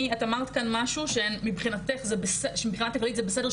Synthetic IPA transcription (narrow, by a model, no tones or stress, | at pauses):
iatamaʁt̪kanmaʃuʃemibχinat̪eχzebeseʃemibχinat̪ːaklit̪zebesede̞